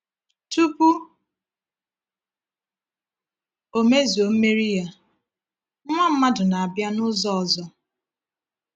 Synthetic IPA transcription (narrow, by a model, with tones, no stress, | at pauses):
tu˦pu˦ | o˨me˦zo˨m̩˦me˦ɾi˦ja˦ | ŋʷa˦m̩˦ma˦dʊ˨na˨a˨bja˦nʊ˦zɔ˦ɔ˨zɔ˦